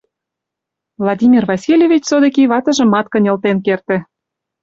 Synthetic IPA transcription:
vlˠɑdʲimʲirvɑsʲilʲjevʲit͡ɕsod̪ɤ̆kiβɑt̪ɤ̆ʒə̆mɑt̪kə̆nʲɤ̆lt̪enkert̪ɘ̆

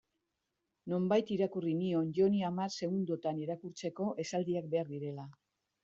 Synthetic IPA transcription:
no̞mbajt̪iɾakurinio̞nʝo̞niamaɾse̞ɣund̪ot̪aneɾakuɾt͡se̞ko̞ʔe̞sald̪iak̚be̞aɾðiɾe̞la

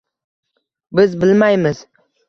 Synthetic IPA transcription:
bɪzbɪlmajmɪz̥

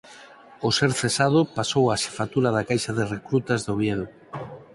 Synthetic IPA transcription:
ʊseɾθesað̞ʊpasowaʃe̥fat̪uɾaðakajʃaðerekɾut̪azðoβjeðo

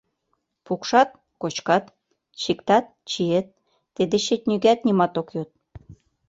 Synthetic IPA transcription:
pukʃɑt̪̚ | kot͡ɕkɑt̪ | t͡ɕikt̪ɑt̪̚t͡ɕijet̪̚ː | ed̪eɕet̪̚ʲnʲyɡæt̪̚nʲimɑt̪okjot̪̚

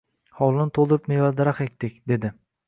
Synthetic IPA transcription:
hɒwlˠɪnɪt̪ʰolˠd̪ɪɾɪpmejvald̪aɾaχek̚ʲt̪ɪkʲd̪e̞d̪ɪ

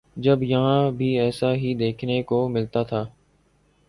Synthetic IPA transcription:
d͡ʒɐbjɐɦãbʱiɛːsaɦid̪eːkʰnekomɪlt̪at̪ʰaː

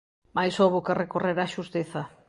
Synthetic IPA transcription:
majsoβokarekoreɾaʃust̪eθa

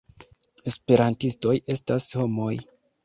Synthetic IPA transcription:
e̞spe̞ɾantisto̞je̞stasho̞mo̞j

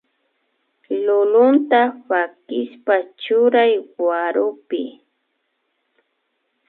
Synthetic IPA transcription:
lʊlʊnt̪aɸakɪspat͡ʃʊɾajwaɾʊpɪ

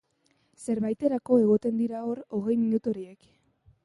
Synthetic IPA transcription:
se̞ɾβajt̪e̞ɾako̞e̞ɣ̞o̞t̪e̞nd̪iɾao̞ɾo̞ɣ̞e̞jminut̪oɾiek

